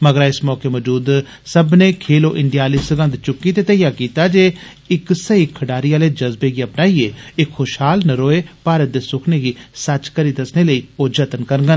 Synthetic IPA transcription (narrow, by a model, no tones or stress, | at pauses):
məɡəɾaːɪsmɔːkeːməːd͡ʒuːd̪ | səbneːkʰeːloːʔɪɳɖijaːliːsəɡə̃nd̪t͡ʃʊkːiːt̪eːt̪əjaːkiːt̪aːd͡ʒeː | ɪksəiːkʰːəɖaːɾiːaːleːd͡ʒəzbeːɡiːəpnaːieːɪkxoːʃɦaːlnəɾoːeːpaːɾət̪̚d̪eːsʊkʰneːɡiːsət͡ʃkəɾiːd̪əsneːləiːod͡ʒət̪ənkəɾɡən